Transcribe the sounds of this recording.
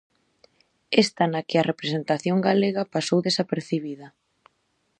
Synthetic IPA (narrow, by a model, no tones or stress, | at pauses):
est̪ɐnɐkɪɐrepɾesent̪aθjoŋɡaleɣɐpasowðesapeɾθiβiðɐ